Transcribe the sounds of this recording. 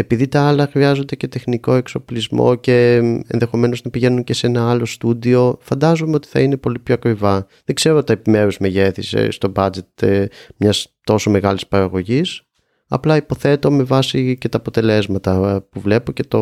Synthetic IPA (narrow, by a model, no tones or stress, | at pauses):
e̞piðit̪ɐɐlɐxɾiɐzo̞nd̪e̞ce̞t̪e̞xniko̞ekso̞plizmo̞̰ce̞ḛnðe̞xo̞me̞no̞znɐpiʝe̞nunce̞senɐɐlo̞st̪ud̪io̞fɐnd̪ɐzomeo̞t̪i̥θɐine̞po̞lipço̞ɐkɾivɐ | ðeɡze̞ɾot̪ɐepime̞ɾuzme̞ʝe̞θisḛst̪o̞bɐd͡ze̞t̪mɲɐst̪o̞so̞me̞ɣɐlispɐɾɐɣo̞ʝis | ɐ̰plɐipo̞θe̞t̪o̞me̞vɐsice̞t̪ɐːpo̞t̪e̞le̞zmɐt̪ɐpuvle̞po̞ce̞t̪o̞